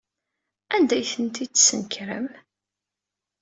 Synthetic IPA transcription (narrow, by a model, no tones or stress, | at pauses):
ænd̪æjθənt̪isənkɾə̰m